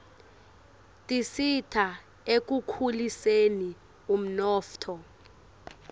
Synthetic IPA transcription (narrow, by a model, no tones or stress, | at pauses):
tʼisitʰa | ek̬ukʰuliseni | um̩nɔːftʰɔ